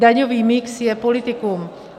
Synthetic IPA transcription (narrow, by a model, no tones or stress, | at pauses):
d̪aɲɔviːmiksjɛpɔlit̪ikum